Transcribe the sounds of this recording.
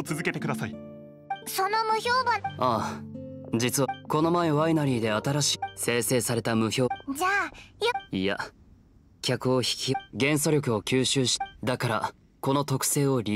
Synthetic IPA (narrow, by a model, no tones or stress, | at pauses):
t͡sɨzɨke̞t̪e̞kɯ̟d̪asai | so̞no̞mɯ̟ço̞ːbaa | d͡ʑit͡sɨako̞no̞maeβainaɾʲiːd̪e̞at̪aɾaɕi̥se̞ːse̞ːsaɾe̞t̪amɯ̟ço̞ːd͡ʑaːjija̰ | kʲakɯ̟o̞çi̥kʲiɡẽ̞ɰ̃s̬o̞ɾʲo̞kɯ̟o̞kʲɨːɕɨːɕi̥d̪akaɾa̰ | ko̞no̞t̪o̞kɯ̟̥se̞ːo̞ɾʲi